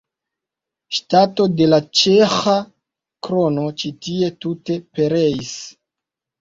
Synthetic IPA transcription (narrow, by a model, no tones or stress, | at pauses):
ʃtato̞de̞lat͡ʃexa | kɾo̞no̞t͡ʃitie̞tute̞pe̞ɾeis